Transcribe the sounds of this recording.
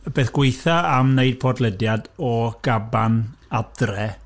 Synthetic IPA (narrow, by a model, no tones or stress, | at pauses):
b̥eːθɡ̥wejθaamneɨd̥̚pʰɔdlˠədjadɔɡ̥abanad̥rɛ